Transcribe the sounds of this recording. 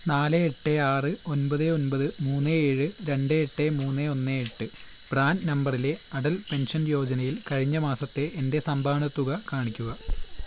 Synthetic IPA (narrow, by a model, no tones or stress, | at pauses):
naːleeʈːeaːrɨo̞nbɐðɨo̞nbɐðɨmuːnːɨeːɻɨɾe̞ɳɖeeʈːemuːnːeo̞nːeeʈːɨ | b̥raːnnɐmbɐrile̞ɐɽɐlpe̞nʂɐnjo̞ːd͡ʑɐnɐjilkɐɻiɲːɐmaːsɐt̪ːe̞ʔendesɐmbʱaːɳɐt̪ːuɣɐkaːɳikʲːuɣɐ